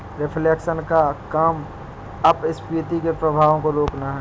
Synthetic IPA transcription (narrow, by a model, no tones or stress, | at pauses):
ɾɪpʰleːkʃənkakaːm | ɐbɪspiːt̪ikepɾəbʱaːʋõkoɾoːknaɦɛ